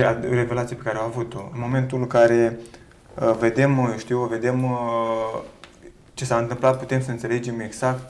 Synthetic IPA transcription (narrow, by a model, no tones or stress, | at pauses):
a̰reve̞lat̪sijepe̞kaɾeawavut̪o̞ɨnmo̞me̞nt̪ulɨŋkaɾe̞ | ve̞d̪e̞mʃt̪iwve̞d̪e̞m | t͡ʃe̞saɨnt̪ɨmplat̪̚put̪e̞msəɨnse̞le̞d͡ʒe̞me̞ɡz̥ak̚t̪